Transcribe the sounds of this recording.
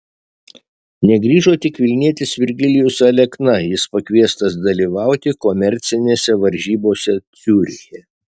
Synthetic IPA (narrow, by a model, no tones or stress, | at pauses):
nʲɛɡɾʲiːʒoːt̪ʲɪkʋʲɪlʲnʲiɛt̪ʲɪsʋʲɪɾʲɡʲɪlʲɪjʊsɐlʲɛknɐjɪspɐkʋʲiɛst̪ɐsd̪ɐlʲiːʋɑˑʊt̪ʲɪkomʲɛɾʲt̪sʲɪnʲeːsʲɛʋɐɾʲʒʲiːboːsʲɛt̪sʲuːɾʲɪjɛ